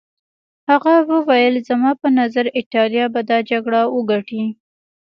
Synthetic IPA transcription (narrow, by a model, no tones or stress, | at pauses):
haɣawəwajəlzamɑpənazaɾɪʈɑljɑbad̪ɑd͡ʒaɡɽawəɡaʈi